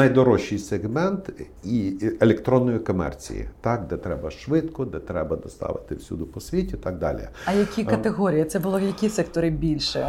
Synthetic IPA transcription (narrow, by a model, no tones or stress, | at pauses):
nɐjd̪ɔɾɔʃʲijseɣmɛnt̪ | ielʲekt̪ɾɔnːɔjikɔmɛ̰rt͡sʲḭjḭt̪ɑk̚d̪ɛt̪ɾɛbɐʃʋɪt̪kɔd̪ɛt̪ɾɛbɐd̪ɔst̪ɑ̰ʋɪ̰t̪ɪwsʲṵd̪ʊpɔsʲʋʲitʲit̪ɑɡ̚d̪ɑ̰lʲḭɐjɐkʲikɐt̪eɣɔɾʲijɐt̪sɛbʊlˠɔjɐkʲisɛkt̪ɔɾɪbʲilʲʃɛ